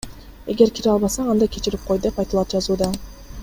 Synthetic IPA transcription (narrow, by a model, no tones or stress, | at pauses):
e̞ɡʲe̞ɾkʲʰiɾeɑlˠbɑsɑɑnd̪ɑjkʲʰe̞t͡ʃiɾip̚qʰo̞jd̪e̞pɑjt̪ɯlˠɑt̪̚d͡ʒɑzuːd̪ɑ